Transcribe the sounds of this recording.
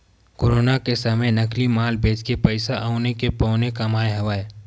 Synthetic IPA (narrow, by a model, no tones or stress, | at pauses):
koːɾoːnakesɐmenəklimaːlbʱeːd͡ʒkepəɪsaʔaʊnekepɔːnekamaːeɦɐʋaːe